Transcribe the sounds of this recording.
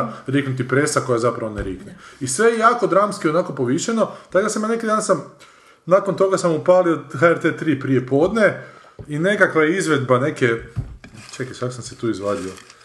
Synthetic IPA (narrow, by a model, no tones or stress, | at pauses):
ɾiknut̪̬ipɾesako̞jazapɾaʋo̞neɾiːkneisʋe̞jejaːko̞d̪ɾaːmskionako̞poʋiːʃano̞t̪aɡd̪asamanekid̪aːnsam | naːkont̪o̞ɡasamupalioxaeɾt̪et̪ɾiːpɾije̞po̞ːd̪ne | ine̞kakʋajeizʋe̞d̪bane̞ke | t͡ʃekisakosamset̪uːizʋaːd̪io